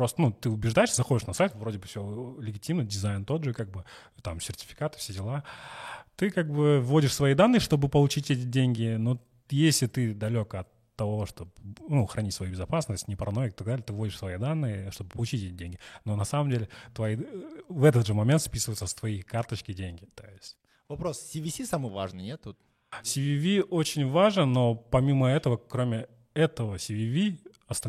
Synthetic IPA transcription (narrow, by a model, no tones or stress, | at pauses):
pɾo̞st̪ənut̪ɨʊbʲɪʐd̪ajɪʂzɐxo̞dʲɪʂnɐsajt̪vɾo̞dʲɪbɨfsʲolʲɪɡʲɪtʲimnədʲɪzajnt̪o̞d̪ʐɨkaɡ̚bɨ | t̪amsʲɪrtʲɪ̥fʲɪ̥kat̪ɨ̥fsʲedʲɪlˠa | t̪ɨkaɡ̚bɨvːo̞dʲɪʂsvɐid̪anːɨjʂt̪o̞bɨpəlˠʊt͡ɕitʲɛtʲɪdʲenʲɡʲɪno | jesʲlʲɪt̪ɨd̪ɐlʲo̞kəɐt̪ːɐvo̞ʂt̪o̞pnuxɾʔɐnʲitʲsvɐjubʲɪzɐpasnəsʲtʲnʲɪpəɾɐnojɪkɪt̪ɐɡd̪alʲɪt̪ɨvo̞dʲɪʂsvɐid̪anːɨjəʂt̪obɨpəlˠʊt͡ɕitʲɛtʲɪdʲenʲɡʲɪno̞nɐsaməmdʲelʲɪt̪vɐivɛt̪ət̪ʐɨmɐmʲent̪spʲisɨvəjʊt̪səst̪vɐikart̪ət͡ɕkʲɪdʲenʲɡʲɪt̪o̞̰jɪsʲtʲ | vɐpɾo̞ssʲivʲisʲisamɨvaʐnɨnʲet̪ːut̪ | sʲɪvʲivʲiʔot͡ɕɪnʲvaʐnəno̞pɐmʲiməɛt̪əvəkɾomʲɪ | ɛt̪əvəsʲɪvʲivʲi | ɐst̪ɐ